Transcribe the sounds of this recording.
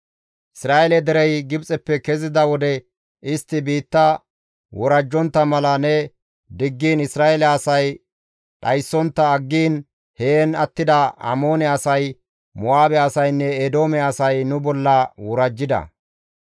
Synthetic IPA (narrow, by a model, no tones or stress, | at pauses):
ʔɪsɾaːʔɛlɛd̪ɛɾɛjɡɪbt͡sʼɛpːɛkɛzɪd̪ɐwɔd̪ɛ | ʔɪst̪ːɪbiːt̪ːɐ | wɔɾɐd͡ʒːɔnt̪ːɐmɐlɐnɛ | d̪ɪɡːiːnɪsɾaːelɛɐsɐj | ɗɐjsːɔnt̪ːɐːɡːiːn | heːnɐt̪ːɪd̪ɐɐ̰mo̞ːnɛɐsɐj | mɔaːbɛɐsɐjnːɛed̪oːmɛɐsɐjnʊbɔlːɐwɔɾɐd͡ʒːɪd̪ɐ̰